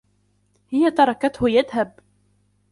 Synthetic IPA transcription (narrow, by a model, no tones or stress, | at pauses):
hɪjːat̪ɑɾˤɑkat̪hʊjaðɦab̚